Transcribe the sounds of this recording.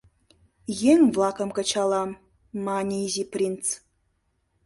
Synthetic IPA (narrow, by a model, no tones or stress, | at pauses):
jeŋvlˠɑkə̆mkə̆t͡ɕɑlˠɑmː | ɑnʲiiziprʲint͡s